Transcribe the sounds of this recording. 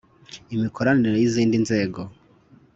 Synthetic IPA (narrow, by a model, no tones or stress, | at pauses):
imikʰoɾaniɾojiziːndinze̞ːɡo̞